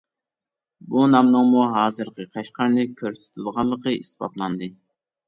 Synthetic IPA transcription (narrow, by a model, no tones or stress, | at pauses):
bunɑmnɨŋmuɦɑːzɨɾqəqʰɑʃqʰɑɾnɨkʲʰøɾsy̥t̪ʰylˠʁɑllˠːəqʰəisbɑ̰t̪lˠɑnd̪ɨ